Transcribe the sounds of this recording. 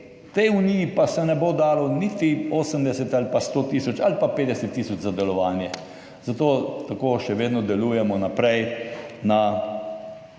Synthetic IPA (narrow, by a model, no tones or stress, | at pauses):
t̪ɛjunijipasɛnɛboːd̪aːlɔnit̪ioːsəmd̪ɛsɛt̪alipast̪oːt̪iːsɔt͡ʃalpapeːd̪ɛsɛt̪ːiːsɔt͡ʃzad̪ɛlɔʋaːnjɛ | z̥at̪oːt̪akoːʃɛʋeːd̪nɔd̪ɛluːjɛmɔnapɾɛjna